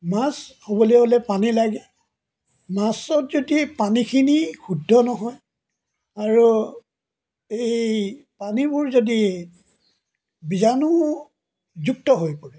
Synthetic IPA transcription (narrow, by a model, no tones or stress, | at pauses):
mashobɔlojɛɦolɛpanilaɡɛ | masɔtzodipanikʰinixudʱːɔnɔɦɔj | aɹu | ejpanibʊɹzodi | bizanʊ | zuk̚tɔɦojpɔɹɛ